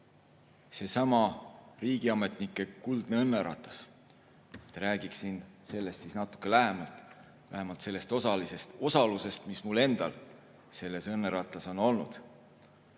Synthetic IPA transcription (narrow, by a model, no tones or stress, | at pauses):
se̞sɑmɑriːɡ̥iɑme̞t̪ˑnikːˑe̞kuld̪̥neɤnːeɾɑ̰t̪ˑɑ̥s | t̪ːɾæːɡ̥iksinse̞lːe̞st̪sisnɑt̪ːˑu̥kːˑe̞læɦemɑlt̪ˑ | væ̰ɦemɑlt̪se̞lːe̞st̪o̞sɑlise̞st̪o̞sɑluse̞st̪mismulːe̞nd̪̥ɑ̰l | se̞lːe̞sɤnːeɾɑt̪ˑɑso̞no̞lnṵd̪̥